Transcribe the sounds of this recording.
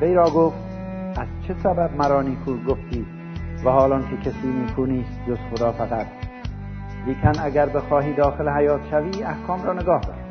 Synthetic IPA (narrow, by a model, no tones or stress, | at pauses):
vejɾɒːɡoft̪ | ʔæzt͡ʃʰesæbæbmæɾɒːniːkʰuːɾɡoft̪ʰiː | væhɒːlɒːnkʰekʰesiːmiːkʰuːniːst̪̚d͡ʒoz̥xod̪ɒːfæɣæt̪̚ | liːkʰænæɡæɾbexɒːɦiːd̪ɒːxelehæjɒːt̪ʃæviːæhkʰɒːmɾɒːneɡɒːhd̪ɒ̰ːɾ